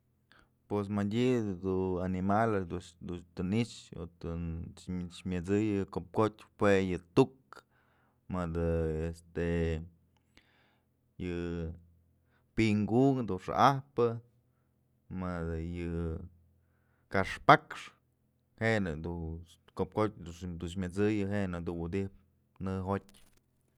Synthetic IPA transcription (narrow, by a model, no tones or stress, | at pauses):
pwes̬madʲid̪uanimald̪ud̪ut̪ɨnit͡ʃo̰t̪ɨ | t͡ʃmʲɨt͡sɨjɨkop̚kotʲpwejɨt̪uk | mɨd̪ɨest̪e | jɨ | piŋɡuŋd̪uʂa̰ʔahpɨ | mad̪ɨjɨ | kaʂpakʂ | henɨd̪ukop̚kot̚ʲd̪uʂd̪uʃmʲɨt͡sɨjɨɦenɨd̪uwud̪ip̚ | nɨɦotʲ